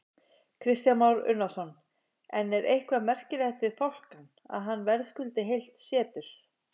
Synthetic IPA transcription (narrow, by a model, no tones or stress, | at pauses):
kʰɾɪst̪janmawɾʏ̰ɾnasɔn | ɛnːɛɾʔejhkʰvamɛr̥cɪɾajht̪vɪð̥fowl̥kan | a̰ðɦanːvɛɾðskʏlt̪ɪɦejl̥t̪sjɛːt̪ʏɾ̥